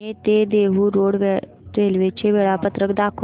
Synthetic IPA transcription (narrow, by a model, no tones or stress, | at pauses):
et̪ed̪eːɦuɾoːɽʋe | ʈɾeːlʋet͡ʃʰeʋeːɭapət̪ɾəkd̪aːkʰ